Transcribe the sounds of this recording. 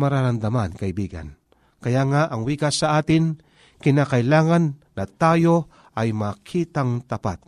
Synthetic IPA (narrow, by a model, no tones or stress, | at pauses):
mɐɾaɾand̪amankɐʔɪbiːɡa̰n | kɐjaŋaʔɐŋwiːkasːɐʔaːt̪ɪŋ | kɪnaːkɐɪlaːŋanːɐt̪aːjo | ʔɐjmaːkʰiːt̪aŋt̪ɐpa̰t̪̚